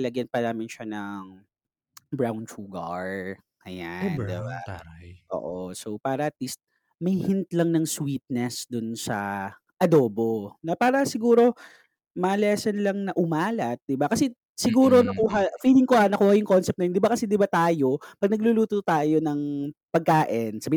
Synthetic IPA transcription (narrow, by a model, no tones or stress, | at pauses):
ɐlɐɡjɐnpɐnaːmɪnʃanɐŋ | bɹawnt͡ʃuɡɐ̰ɹ | ʔɐja̰nd̪ɪ̰ba̰jʔo̰ːʔosowpaːɾɐʔɐt̪̚list̪̚ | mɐjhɛnt̪lɐŋnɐŋswiːt̪̚nɛsd̪ʊnsɐ̰ | ʔɐd̪oːbo̞nɐpaːɾɐsɪɡuːɾo̞ | mɐlɛsɐnlɐŋnɐʔʊmaːlɐt̪̚d̪ɪbakɐsɛ | sɪɡuːɾo̞nɐkuɦɐfiːlɪŋkohanɐkuːhɐjʊŋko̞nsɛp̚nɐjond̪ɪbakɐsɛd̪ɪbat̪aːjo̞pɐɡ̚nɐɡ̚lʊluːt̪ot̪aːjo̞nɐŋpɐɡ̚kaːʔɪnsabi